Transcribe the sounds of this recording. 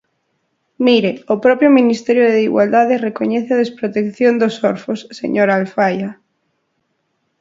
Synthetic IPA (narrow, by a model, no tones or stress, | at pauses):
miɾeopɾɔpɾjominist̪ɛɾjoðeiɣwald̪aðerekoɲɛθeað̞espɾot̪ekθjond̪osoɾfosːḛɲoɾaːlfaja